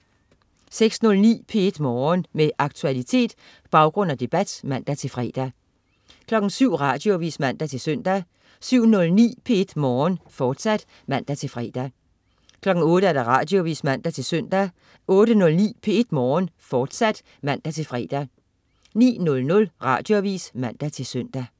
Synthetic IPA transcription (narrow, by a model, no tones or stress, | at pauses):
seɡ̥snɔ̽lnḭːpʰee̝d̥mɒːnmeʔɑ̈ɡ̥̚t͡sʰuælit͡sʰe̝̰ːd̥ | b̥ɑ̈ʊɡ̥ʁɔ̽n̰æd̥e̝b̥æd̥mæn̰d̥æt͡sʰe̝lfʁɛ̰ːd̥æ | kʰlɒ̽ɡ̥n̩syʊ̰ʁɑ̈ːd̥jo̝ʋḭːsmæn̰d̥æt͡sʰe̝lsøn̰d̥æ | syʊ̰nɔ̽lnḭːpʰe̝e̝d̥mɒːnfɒːd̥sæd̥ | mæn̰d̥æt͡sʰe̝lfʁːd̥æ | kʰlɒ̽ɡ̥n̩ɔ̽ːɾ̥əæɐd̥ɑ̈ʁɑ̈ːd̥jo̝ʋḭːsmæn̰d̥æt͡sʰe̝lsœn̰d̥æ | ɔ̽ːɾənɔ̽lnḭːpʰe̝e̝d̥mɒːnfɒːd̥sæd̥ | mæn̰d̥æt͡sʰe̝lfʁɛːd̥æ | nḭːnɔ̽lnɔ̽lʁɑ̰̈ːd̥jo̝æʋḭːsmæn̰d̥æt͡sʰe̝lsøn̰d̥æ